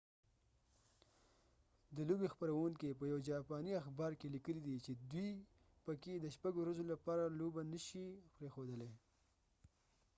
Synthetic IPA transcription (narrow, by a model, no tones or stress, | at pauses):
d̪əlobexpəɾawuŋkep̬əjawd͡ʒɑpɑniaxbɑɾkelikəlid̪it͡ʃed̪wi | pəked̪əʃpaɡowɾazolapɑɾalobanəʃipɾexod̪əle